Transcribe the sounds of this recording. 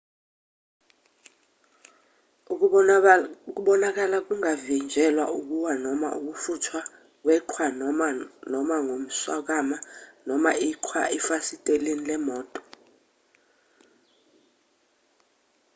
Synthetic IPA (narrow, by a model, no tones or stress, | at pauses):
uk̬uɓɔnak̬alak̬uŋavind͡ʒʱɛlwauk̬uwanɔma̰ṵk̬ufutʰwa | k̬wɛǃʰwa | nɔmaŋom̩swa̰k̬amanɔmaiǃʰwa̰ʔifasitʼelenilɛmɔːtʼɔ̥